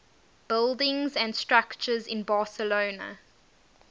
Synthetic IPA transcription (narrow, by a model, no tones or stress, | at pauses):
b̥ɪlˠdɪ̃ŋzæ̃nstɹakt͡ʃəzɪ̃nbɑːˑsəloʊnə̰